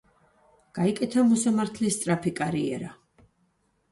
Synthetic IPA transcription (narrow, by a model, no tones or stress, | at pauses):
ɡ̥aikʼɛt̪ʰamɔsamaɾt̪ʰlist̪sʼɾapʰikʼaɾiɛ̰ɾa